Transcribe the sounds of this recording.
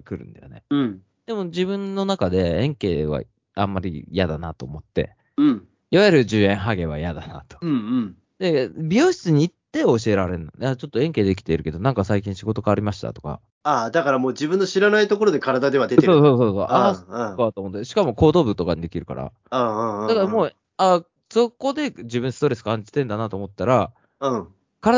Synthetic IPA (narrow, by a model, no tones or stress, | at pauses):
kɯ̟ɾɯ̟̰̃nd̪ajo̰neɯ̃ | d̪̥e̞mo̞d͡ʑibɯ̟̃nːo̞nakad̪e̞ẽŋke̞ːβa̰ | amːaɾʲḭjad̪anat̪o̞ːmo̞t̪ːe̞̰ | ɯ̃ɴ | iβajeɾɯ̟ʑɨːẽ̞ɰ̃ɦaɡe̞β̞a̰jad̪anat̪o̥ɯ̟̃ɯ̃ɴ | d̪e̞bʲjo̞ːɕi̥t͡sɨɲ̟iːt̪ːe̞o̞ɕie̞ɾaɾe̞no̰jat͡ɕo̞t̪ːoẽ̞ŋke̞ːd̪ek̬ʲi̥t̪e̞iɾɯ̟ke̞d̪onãŋkasaik̬ʲĩɕiɡo̞t̪o̞ɡaːɾʲimaɕi̥t̪a̰t̪o̞ka̰ | ad̪akaɾamo̞ːd͡ʑibɯ̟̃nːo̞ɕiɾanait̪o̞ko̞ɾod̪e̞kaɾad̪ad̪e̞βad̪etseoːso̞ːso̞ːso̞̰ʔasõ̥kaat̪oːmot̪ːɕi̥kamo̞ko̞ːd̪oːbɯ̟t̪o̞kaɲ̟id̪e̞kʲiɾɯ̟ka̰ɾa̰ | ãd̪akaɾamoː | a | so̞ko̞d̪e̞d͡ʑibɯ̟nsɨ̥t̪o̞ɾe̞sɨ̥kãɲd͡ʑi̥t̪ẽ̞nd̪anat̪o̞ːmo̞t̪ːaɾa | ɯ̃ | kaɾa